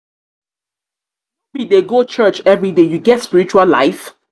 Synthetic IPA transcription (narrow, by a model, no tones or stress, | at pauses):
bideɡot͡ʃɜt͡ʃɛvɹidejuɡɛtspiɹit͡ʃualla̰ɪf